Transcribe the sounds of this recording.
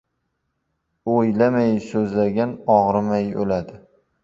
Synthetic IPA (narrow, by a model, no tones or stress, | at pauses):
ojlamajsɵzlaɡʲanɒʁɾɪmajo̰lad̪ɪ